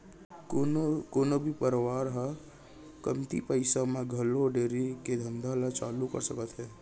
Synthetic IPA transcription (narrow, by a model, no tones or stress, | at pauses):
koːnobʱipəɾwaːɾɦə | kəmt̪ḭpəɪsamẽɡʱəloɖeːɾiked̪ʱə̃nd̪ʱalat͡ʃaːlukə̰ɾsəkət̪ɦɛː